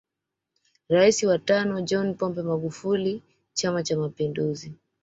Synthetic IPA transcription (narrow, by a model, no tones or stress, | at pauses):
ɾaisiwatanɔd͡ʒɔnpɔmbɛmaɠufuli | t͡ʃamat͡ʃamapinduzi